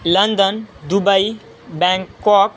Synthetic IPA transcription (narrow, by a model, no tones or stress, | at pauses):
lənd̪ənd̪ubəi | bɛ̃ŋkːɔk̚